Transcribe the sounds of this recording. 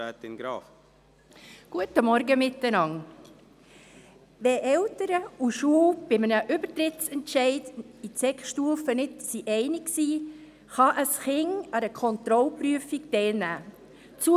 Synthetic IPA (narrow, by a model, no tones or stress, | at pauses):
æːt̪ɪnɡɾɑːf | ɡ̥uətəmɔɾɡəmɪtːənɑŋ | ʋɛʔɛltəɾəuʃuːb̥ɪmənəʔʏbətɾɪtsɛntʃɛɪdit͡sɛkχʃtuːfənɪtsiʔɛɪnɪksiː | χɑʔəsχɪŋɑdəkʰɔnt̪ɾɔlpɾyəfik̚tɛɪlnæː | t͡su